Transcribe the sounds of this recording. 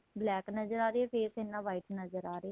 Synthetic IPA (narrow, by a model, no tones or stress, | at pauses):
blɛːknəzəɾaːɾeɛːpʰeːsɪnːãːʋaːiːʈnəzəɾaːɾe